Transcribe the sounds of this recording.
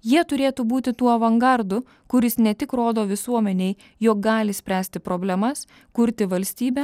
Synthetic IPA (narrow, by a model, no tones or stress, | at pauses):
jiɛt̪ʊɾʲeːt̪ubuːt̪ʲɪt̪uːɐʋɐŋɡɐɾd̪ʊ | kʊɾʲɪsnʲɛt̪ʲɪkɾoːd̪oːʋʲɪsuɔmʲɛnʲɛɪ | joːk̚ɡɑːlʲɪsʲpʲɾʲæːsʲt̪ʲɪpɾoːbʲlʲɛmɐs | kʊɾʲt̪ʲɪʋɐlʲsʲt̪ʲiːbʲɛ